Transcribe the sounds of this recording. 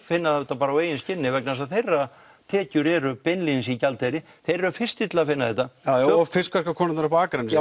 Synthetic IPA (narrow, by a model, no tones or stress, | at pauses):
fɪnːaðɛt̪ːapaːɾaweːjɪnscɪnːɪvɛknas̬aðθejrːa | t̪ʰɛːcʏɾɛɾʏpɛnlins̬icalt̪ejɾɪ | θejɾɛɾʏfɪr̥st̪ɪt̪lafɪnːaðθɛht̪ːaafɪskvaskakʰɔːnɪnaɾapaːkɾɛnːɪ